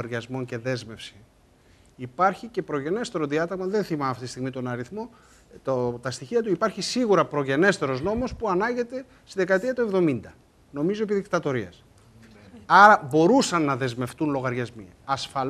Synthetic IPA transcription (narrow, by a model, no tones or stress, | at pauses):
ɐɾʝɐzmo̞nce̞ðe̞zme̞fsi | ipɐɾçice̞pɾo̞ʝe̞ne̞st̪e̞ɾoðiɐt̪ɐɣmɐðe̞nθimɐmɐft̪it̪ist̪iɣmit̪o̞nɐɾiθmo̞ | ot̪ɐst̪içiɐt̪uipɐɾçisiɣuɾɐpɾo̞ʝe̞ne̞st̪e̞ɾo̞zno̞mo̞spuɐnɐɲɟe̞t̪e̞ | st̪iðekɐt̪iɐt̪ue̞vðo̞mind̪ɐ | no̞mizoepiðikt̪ɐt̪o̞ɾiɐ̰s | ɐɾɐbo̞ɾusɐnːɐðe̞zme̞ft̪unlo̞ɣɐɾʝɐzmi | ɐsfɐ